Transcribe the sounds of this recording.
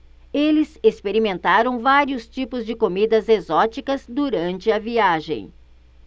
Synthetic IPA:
elɪsespeɾimẽnt̪aɾɐ̃w̃vaɾiʊst͡ʃipʊzd͡ʒɪkomid̪ɐzezɔt͡ʃikɐzd̪uɾɐ̃nt͡ʃɪɐviaʒḛ̃j̃

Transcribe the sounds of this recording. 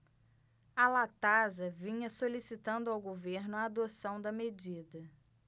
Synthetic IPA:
alat̪azɐvĩɲɐsolisit̪ɐ̃nd̪ʊawɡoveɾnʊɐːd̪osɐ̃w̃d̪ɐmed͡ʒid̪ɐ

